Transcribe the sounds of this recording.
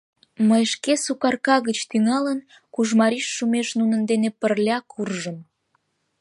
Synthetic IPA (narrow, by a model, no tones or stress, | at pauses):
məjʃkesukɑrkɑɣət͡ɕt̪yŋɑlən | kuʒmɑɾiʃːumeʃnunənd̪enepərlʲɑkʰurʒəm